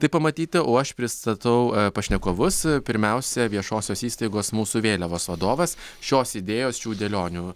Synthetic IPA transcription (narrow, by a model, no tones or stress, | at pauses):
t̪ɐɪpɐmɐt̪ʲiːt̪ʲɪʔoːɐʃpʲɾʲɪst̪ɐt̪ɐʊpɐʃʲnʲɛkoːʋʊspʲɪɾʲmʲɛʊsʲɛʋʲiɛʃoːsʲoːsiːst̪ɐɪɡoːsmuːsuʋʲeːlʲɛʋoːsʋɐd̪oːʋɐs | ʃʲoːsɪd̪ʲeːjoːsʃʲuːd̪ʲɛlʲoːnʲuː